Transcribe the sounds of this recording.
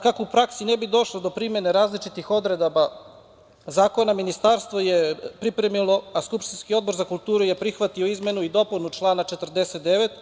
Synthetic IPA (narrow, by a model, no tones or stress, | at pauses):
kakoupɾaksinebid̪o̞ʃlod̪o̞pɾime̞neɾaːzlit͡ʃit̪ixo̞d̪ɾe̞d̪aba | zaːko̞naminist̪aːɾst̪ʋo̞jepɾipɾemilˠo̞askupʃt̪inskio̞d̪bo̞ɾzakulˠt̪uːɾuje̞pɾixʋat̪ioizme̞nuid̪o̞punut͡ʃlˠaːnat͡ʃet̪ərd̪eset̪̚d̪eʋet̪